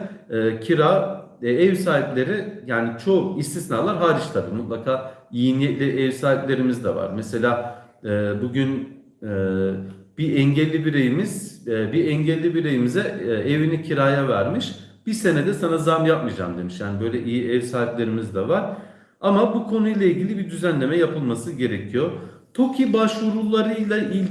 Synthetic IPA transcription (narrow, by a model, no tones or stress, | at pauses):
cʰiɾaː | ɛvsaːɦiplʲe̞ɾijaːnit͡ʃʰo̞ist̪ʰisnaːlˠaɾɦaːɾiʃt̪ʰabiːmut̪lˠakʰaːijinjɛclʲiʔɛvsaːɦiplʲe̞ɾimizd̪ɛva̰ɾmese̞lʲaː | ɯːbuɟyn | ɛːb̥iʔɛɲɟelʲːibiɾejimiz̥biɛɲɟɛlʲːibiɾejimizɛevinicʰiɾaːjavæɾmiʃ | b̥ise̞nɛd̪ɛsanazamjap̚mid͡ʒa̰ːmd̪e̞miʃjaːnibø̞jlʲɛʔijiɛvsaːt̪lʲe̞ɾimizd̪ɛvaɾ̥ | amabukʰo̞nujlˠailʲɟilʲibid̪yzænlʲe̞mɛjapʰɯlˠmasɯɟe̞ɾecʰijot̪ʰo̞cʰibaʃvuɾulˠːaɾɯjlˠailʲ